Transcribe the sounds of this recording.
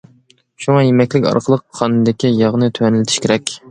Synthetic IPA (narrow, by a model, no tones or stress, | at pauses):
ʃuŋɑjemɛkʲlɪkʲɑ̰ɾqʰəlˠəqʰːɑnɨd̪ɪkʲijɑʁnɨt̪ʰøɛnɪlɪt̪ʰʃkʲeɾɛkʲ